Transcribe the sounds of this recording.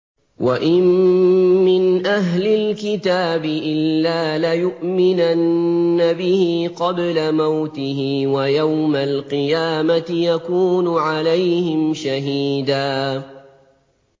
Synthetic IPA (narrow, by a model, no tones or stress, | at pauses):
waʔɪmː | ɪnʔaɦlɪlkɪt̪aːbɪʔɪlllːaːlajʊʔmɪnanːabɪhiqɑblamawt̪ɪhɪːwajawmalqɨjaːmat̪ɪjakuːnʊʕalajhɪmʃaɦiːd̪aː